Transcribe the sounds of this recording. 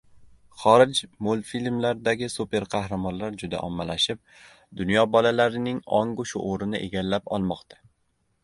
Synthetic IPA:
χɒɾɪd͡ʒmolˠfilmlaɾd̪aɡʲɪsupe̞ɾqʰɑhɾamɒnlaɾd͡ʒʊd̪a̰ʔɒmːalaʃɪp̚ | d̪ʊnjɒbɒlalaɾɪnɪŋɒŋɡʊʃʊ̰ʔoɾɪnɪʔe̞ɡʲalːapɒ̰lˠmɒqt̪ʰḁ

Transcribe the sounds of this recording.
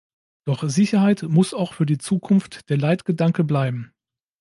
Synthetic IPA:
d̥ɔχzɪçɐɦaɪtmʊsaʊxfyːɐdiːt͡suːkʰʊnftd̥eːɐlaɪtɡ̥ədaŋkəblaɪbm̩

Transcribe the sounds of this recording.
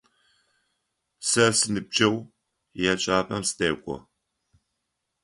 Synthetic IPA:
sɐsɨnɨb̚d͡ʒɐw | jɛt͡ʃʼaːpʼɐmsɨ̥tʰeːkʷʼɔ̰

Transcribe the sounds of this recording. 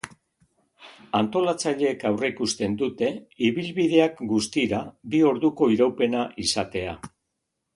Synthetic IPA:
ant̪o̞lat͡saʎe̞ːkawre̞ikust̪e̞nd̪ut̪e̞iβilβiðe̞akɡust̪iɾabio̞ɾðuko̞iɾawpe̞naʔisat̪e̞a

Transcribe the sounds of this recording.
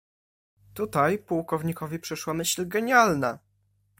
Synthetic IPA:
t̪ut̪ajpuwkɔvɲikɔvʲipʂɘʂwamɘɕlʲɡɛɲalna

